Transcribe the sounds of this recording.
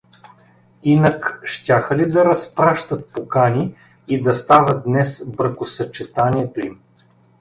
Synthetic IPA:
inəkʃt̪ʲaxəlid̪ɐɾɐspɾaʃt̪ət̪̚pokanʲi | id̪ɐst̪avəd̪nɛsbɾɐxkʊsɐt͡ʃɛt̪aniɛt̪oim

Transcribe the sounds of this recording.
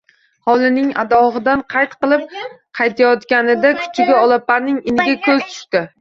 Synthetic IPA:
hɒlˠɪnɪŋa̰d̪ɒʁɨd̪anqʰɑjt̪qɨlˠɪp̚ | qʰɑjt̪ʰajɒt̪kʲanɪd̪akʰʊ̥t͡ʃʰɪɡʲaɒlˠapaɾnɪŋɪnɪɡʲakʰɵzt̪ʰʊ̥ʃt̪ɪ

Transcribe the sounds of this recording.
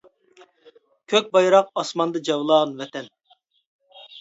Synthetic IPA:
kʲʰøk̚ʲbɑjɾɑqɑsmɑnd̪ɑd͡ʒɑwlˠɑːʁnvɛt̪ɛn

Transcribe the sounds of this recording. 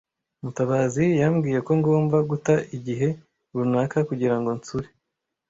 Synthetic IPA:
mutaβazijamɡiːje̞ko̞ŋɡo̞ːmbaɡutaʔiɟiɦe̞ | βunaːkakuɟiɾaŋɡo̞nt͡suɾe

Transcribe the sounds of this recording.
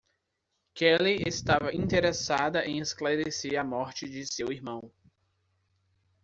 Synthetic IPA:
kɛliest̪avɐʔĩnt̪eɾesad̪ɐʔẽj̃esklaɾeseɾɐmɔɾt͡ʃɪd͡ʒɪsewiɾmɐ̃w̃

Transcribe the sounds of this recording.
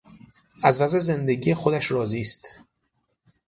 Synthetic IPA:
ʔæzvæzeze̞nd̪e̞ɟiːjexod̪æʃɾɒːziːst̪

